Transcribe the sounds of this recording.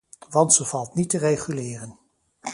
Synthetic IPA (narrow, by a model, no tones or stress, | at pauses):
ʋɑntsov̥ɑlˠtnitərejχylɪːrən